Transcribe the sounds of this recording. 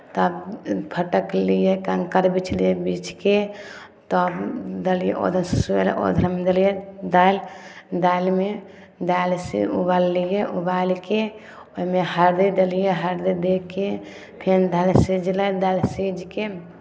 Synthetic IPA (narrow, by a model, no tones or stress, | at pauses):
t̪ːbpʰəʈəklijekəŋkəɾbit͡ʃʰlijebit͡ʃʰke | t̪ɔbd̪əlijeʔo̰d̪ʱənsusuḛl̰ʔo̰d̪ʱəɾmed̪əlijed̪aild̪ailme | d̪alsḭubalːijeʔubalke | omehəɾd̪ed̪əlijeɦəɾd̪id̪ekːe | pʰend̪alsid͡ʒləd̪alsid͡ʒke